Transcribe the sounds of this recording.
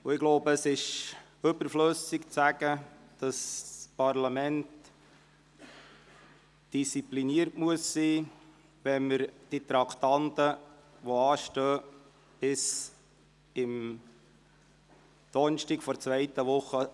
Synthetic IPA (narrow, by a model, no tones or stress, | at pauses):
ʊɪɡ̥loʊbəːsɪʃ | øbəɾfløsɪkt͡sæɡ̥ə | d̥ɑspɑrlɑmɛnt | d̥ist͡sipliniəɾtmuəsːiː | ʋɛnməɾd̥it̪ɾɑkʰt̪ɑnt̪ə | ʋoɑːʃtœː | b̥ɪs | ɪm | d̪̥ɔnʃtikfɔɾt͡svɛɪt̪əʋʊχːə